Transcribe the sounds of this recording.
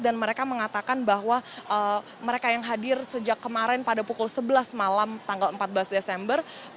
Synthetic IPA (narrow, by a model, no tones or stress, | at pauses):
danməɾekaməŋat̪akanbahwaʔə | məɾekajaŋɦadɪrsəd͡ʒakːəmaɾɛnpadapukʊlsəbəlasmalamt̪aŋɡaləmpat̪̚bəlasdesɛmbər